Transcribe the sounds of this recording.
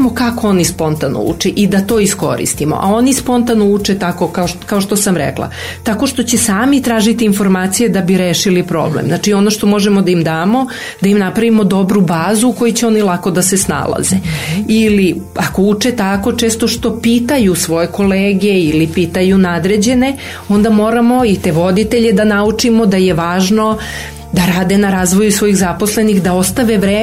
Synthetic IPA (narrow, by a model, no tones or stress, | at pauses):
mokako̞o̞nispo̞nt̪ano̰ṵt͡ʂeʔid̪at̪o̞ːisko̞̰ɾḭst̪imo̰ʔa̰o̞nispo̞nt̪anout͡ʃet̪ako̞kaokaoʃt̪o̞samɾḛklˠa̰ | t̪ako̞ʃt̪o̞t͡ɕe̞saːmit̪ɾaːʒit̪iːnfo̞ɾmaːt̪sijed̪abiɾeʃilipɾo̞̰blḛmznat͡ʃio̞no̞ʃt̪o̞mo̞ʒemod̪aimd̪aːmo̞ | d̪aimnapɾaʋimo̞d̪o̞bɾubaːzuko̞jit͡ɕeo̞nilˠako̞d̪asesna̰lˠa̰zeili | ako̞ut͡ʂet̪ako̞t͡ʃe̞ːst̪o̞ʃt̪o̞piːt̪ajusʋo̞je̞ko̞leːɡe̞ilipiːt̪ajunad̪ɾed͡ʑe̞ne̞ | o̞nd̪amo̞ːɾamo̞it̪e̞ʋo̞d̪it̪eʎe̞d̪anaut͡ʂimo̞d̪aje̞ʋaːʒno̞ | d̪aɾaːd̪e̞naɾaːzʋo̞juisʋo̞jiɣzapo̞sle̞nixd̪ao̞st̪aʋe̞ʋɾeː